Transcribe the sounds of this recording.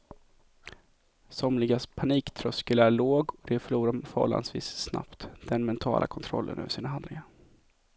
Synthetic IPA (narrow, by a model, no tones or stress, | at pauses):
sɔmlɪɡaspʰaniːkt̪ʰɾœskəlæɭoːɡɔd̪ɛfœɭuːɾamfœhɔ̰lːa̰nsvḭːssna̰pt̪d̪̥ɛnmɛnt̪ʰɑ̰ːlʔa̰kʰɔnt̪ʰɾɔ̰lːə̰nœ̰ːvəʂiːnaɦand̪lɪɡaɾ